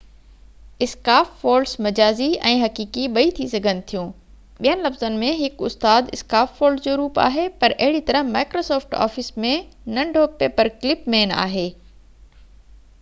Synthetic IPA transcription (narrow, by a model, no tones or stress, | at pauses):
ɪskaːffoːɾsmɐd͡ʑaːziɛ̃ːɦɐkiːkiɓɐit̪ʰisɐɡʱənɪ̆t̪ʰijũː | ɓijənɪ̆lɐfzənɪ̆mẽɦɪkʊst̪aːd̪ɪskaːfːoːlɖd͡ʑoːɾuːpa̰ːɦepɐɾʔɐɦɪɽit̪ɐɾəɦmaːɪkɾoːsɔːfʈa̰ːfɪsmẽnɐ̃ɳɖʱoːpeːpəɾklɪpmeːna̰ːɦeː